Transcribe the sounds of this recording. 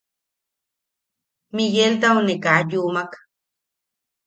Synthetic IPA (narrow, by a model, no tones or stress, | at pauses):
mijelt̪aunekajumak